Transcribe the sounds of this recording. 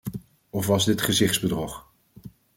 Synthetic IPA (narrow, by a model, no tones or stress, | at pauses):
ɔfʋɑzdɪtχəzɪχtzbədrɔχ